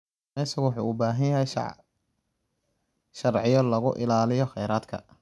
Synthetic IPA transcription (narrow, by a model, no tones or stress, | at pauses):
ɛɪsɐɣʊwʊħṵːubaːɦɐjjɐɦɛj | ʃɐrʕɪjɔlɐɣʊʔɪ̰laːlɪjɔxɛjɾaːd̪kʰɐ̰